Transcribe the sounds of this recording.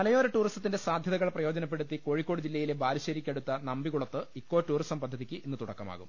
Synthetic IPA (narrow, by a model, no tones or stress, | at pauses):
mɐlɐjoːɾɨʈːuːristɐt̪ːindesaːd̪ʱjɐðɐɣɐɭprɐjo̞ːd͡ʑɐnɐp̬ːe̞ɽut̪ːiko̞ːɻikːo̞ːɽɨd͡ʑilːɐjilebaːɾiɕɐɾikʲːeɽut̪ːɐnɐmbiɣuɭɐt̪ːɨikːo̞ːʈːuːrisʈɐmpɐd̪ʱːɐðikʲːɨinːɨt̪uɽɐkːɐma̰ːɣṵm